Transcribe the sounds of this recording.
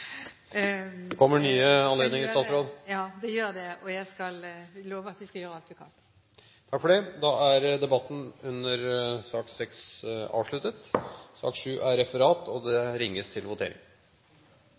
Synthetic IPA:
kʰɔmːəɳyːəɑnleːd̪nɪŋɾsɑːt̪sɾoːd̪jɑːd̪ɛjøːɾd̪ɛɔjæɪskɑlloːʋəɾɑt̪ʋɪskɑjøːɾəɑlt̪ʉkʰɑl | t̪ʰɑkfɔɖɛd̪ɑæɾd̪ɛbɑt̪ːn̩ʉnːəɾsɑːksɛksɑ̰ːʋʂɭʉt̪ət̪sɑ̰ːkʂʉːʔæɾɾɛfəɾɑːt̪ʰɔd̪ɛɾɪŋːəst̪ʰɪlʋʊt̪ʰḛːɾɪ̰ŋ

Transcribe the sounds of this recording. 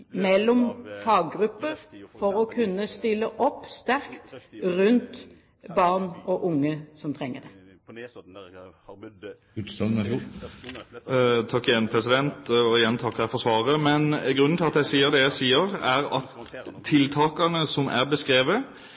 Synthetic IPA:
mɛlːɔmfɑːɡɡʁʉpːəɾfɔʁɔkʰʉnːəst̪ɪlːəʔɔpːst̪æʁkt̪ʁʉnt̪ | bɑʁnɔʔʊŋːəsɔmt̪ʰʁɛŋːəd̪ɛ | ʉs | t̪ʰɑkːɪjɛnpʰʁɛsɪd̪ɛnt̪ɔɪjɛnːt̪ʰɑkːhɛfɔʁsʋɑːʁəmɛnɡɾʉnːn̩t̪ɪlɑt̪jæɪsiːəʁd̪ɛjæɪsiːəʁæʁɑt̪ʰːɪlt̪ʰɑːkɑnəsɔmʔæʁbəskʁeːʋə

